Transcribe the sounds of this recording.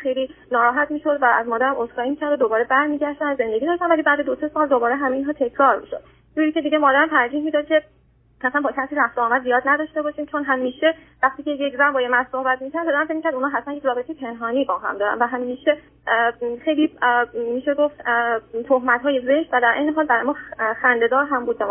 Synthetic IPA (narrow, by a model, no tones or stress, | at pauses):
xejlinɒːɾɒːɦæt̪ʰmiːʃo̞d̪vææzmɒːd̪æɾæmosɡɒːimiːcʰæɾd̪od̪obɒːɾe̞bæɾmiːɟæʃd̪ænæzːe̞nd̪e̞ɡiːd̪ɒːʃt̪ænvæliːbæːd̪ed̪osɛsɒːld̪obɒːɾeɦæmeinɦɒːt̪ʰe̞cʰɾɒːɾmiːʃo̰d̪̥̚ | d͡ʒuɾicʰe̞d̪iɟemɒːd̪æɾæmt̪ʰæɾd͡ʒiːhmiːd̪ɒːd̪̚cʰe̞ | hæsænbɒːcʰæsiːɾæft̪oɒːmæd̪zijɒːd̪næd̪ɒʃt̪e̞bɒːʃiːmt͡ʃʰonɦæmːiːʃevæχt̪iːcʰeje̞cʰzæmbɒːjemænsohbæt̪miːcʰæɾd̪od̪æɾæmfec̚micʰʲæɾd̪unɒːɦæt̪ʰmænjecʰʲɾɒːbe̞t̪ejepʰe̞nɦɒːniːbɒːɦæ̰md̪ɒːɾæ̰nvæɦæmːiːʃe | xe̞jlimiːʃeɡoft̪t̪ʰoɦmæt̪ɦɒːjeze̞ʃt̪væd̪æɾʔejneɦɒːlbæɾɒjmɒxænd̪e̞d̪ɒːɾɦæmbuːd̪̚bæm